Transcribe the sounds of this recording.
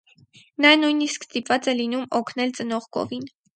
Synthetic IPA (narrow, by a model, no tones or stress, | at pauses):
nɑnujniskst̪ipvɑt͡sɛlinumɔkʰnɛlt͡sənɔʁɡɔ̰vin